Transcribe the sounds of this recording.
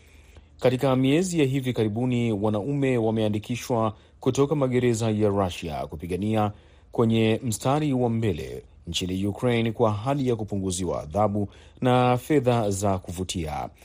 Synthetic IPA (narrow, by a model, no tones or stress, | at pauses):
katikamiɛzijaɦivikaɾiɓuniwanaumɛwamɛandikiʃwa | kutɔkamaɠɛɾɛzajaɾaʃia̰kupiɠania | kwɛɲɛm̩staɾiwambɛlɛ̰ | n̩t͡ʃinijukɾejnkwaɦalijakupuŋɡuziwa̰ːðaɓu | nafɛðazakuvutʰia̰